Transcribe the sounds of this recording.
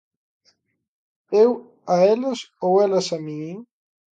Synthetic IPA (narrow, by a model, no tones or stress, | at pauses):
ew | aelasowelasamiiŋ